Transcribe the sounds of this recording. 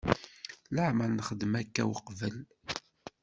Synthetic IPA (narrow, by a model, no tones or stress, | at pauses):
ləʕmælnəχəd̪mækːæwəqvəl